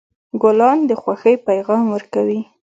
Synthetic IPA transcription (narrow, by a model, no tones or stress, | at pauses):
ɡʊlɑnd̪əxwaxəjpajɣɑmwəɾkawi